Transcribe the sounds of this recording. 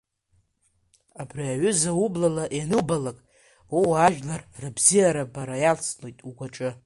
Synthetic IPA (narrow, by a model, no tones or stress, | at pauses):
abriaɥʏzaublalaʔjenɨbalakʼ | wowaʒᶣlarrɨbzijaɾabaɾajalt͡slo̞jtʼuɡʷaʈ͡ʂʼɨ